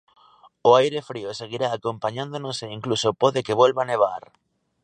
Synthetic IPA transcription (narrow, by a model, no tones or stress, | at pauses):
ʊajɾefɾioseɣiɾaːkompaɲãnd̪onoseiŋklusopɔðekeβwelβaneβ̞a̰ɾ